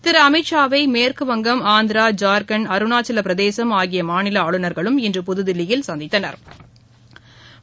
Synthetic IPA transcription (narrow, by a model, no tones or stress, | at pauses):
t̪ɪɾɐɐmɪʈʂaːʋɐɪmeːrkɯʋɐŋɡɐmaːnd̪ɪɾaːd͡ʒaːɾkɐnɐɾɯnaːt͡ʃɪlɐpɪɾɐðeːsɐmaːɣɪjɐmaːnɪlɐaːɭɯnɐɾɣɐɭɯmɛndrɯpʊðɯðɪlɪjɪlsɐnd̪ɪt̪ːɐnɐ̰ɾ